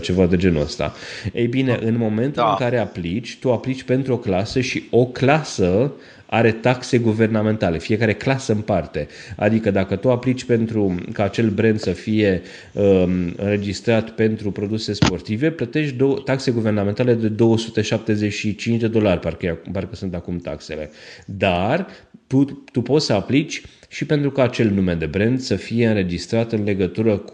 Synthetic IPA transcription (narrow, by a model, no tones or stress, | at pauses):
t͡ʃe̞vad̪e̞d͡ʒe̞nuə̰st̪a̰ | ejbineʔɨnmo̞me̞nt̪ulɨŋkaɾe̞aplit͡ʃʲt̪uaplit͡ʃʲpe̞nt̪ɾuo̞klasəʃio̞klasə | a̰ɾe̞t̪akse̞ɡuve̞rname̞nt̪ale̞fije̞kaɾe̞klasəɨnpart̪e̞ | a̰d̪ikəd̪akət̪uaplit͡ʃʲpe̞nt̪ɾukaːt͡ʃe̞lbɾend̪səfije̞ | əɨ̰nɾe̞d͡ʒist̪ɾat̪pe̞nt̪ɾupɾo̞d̪use̞spo̞rt̪ive̞plət̪e̞ʃd̪ot̪akseɡuve̞rnament̪ale̞d̪e̞d̪o̞wəsut̪e̞ʃap̚t̪e̞ze̞ʃit͡ʃint͡ʃʲd̪e̞d̪o̞larʲparkparkəsunt̪akumt̪a̰kse̞le̞̰ | d̪art̪ut̪upo̞t̪səaplit͡ʃʲ | ʃipe̞nt̪ɾukaːt͡ʃe̞lnumed̪e̞bɾe̞nd̪səfije̞ɨnɾe̞d͡ʒist̪ɾat̪ɨnle̞ɡət̪uɾək